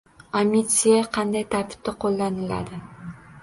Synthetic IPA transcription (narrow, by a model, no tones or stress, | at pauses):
amʲit̪sijaqʰɑnd̪ajt̪ʰaɾt̪ʰɪ̥p̚t̪aqʰolˠːanɪla̰d̪ɪ